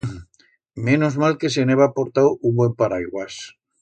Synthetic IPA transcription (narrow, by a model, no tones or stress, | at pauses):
mẽnozmalke̞s̬eneβapo̞ɾt̪awumbwe̞mpaɾajɣwas